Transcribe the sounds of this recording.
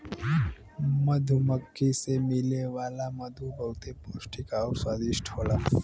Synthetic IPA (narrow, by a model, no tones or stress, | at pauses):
məd̪ʱuməkʰːisemɪleʋaːlamɐd̪ʱubəwt̪epoːsʈikɔːɾswaːd̪ɪʃʈʰɦoːlaː